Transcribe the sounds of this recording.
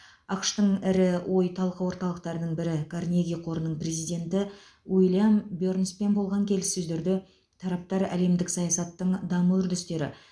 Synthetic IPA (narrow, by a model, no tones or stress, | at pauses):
ɑqʃt̪əɴɪɾɪwʔo̞jt̪ʰɑlˠqəwo̞ɾt̪ɑlˠəq̚t̪ɑɾənəɴbɪɾɪkʰarnʲeɡʲijqʰo̞ɾənəɴpre̞zijd̪ʲe̞nt̪ɪ | wijlʲˠjambjo̞ɾnspe̞nbo̞lˠʁɑŋkʲʰe̞lɪsːɵzd̪e̞ɾd̪ɪ | t̪ʰɑɾɑp̚t̪ɑɾæ̰le̞md̪ɪksɑjɑsɑt̪ːəɴd̪ɑməʏɾd̪ʏst̪e̞ɾɪ̰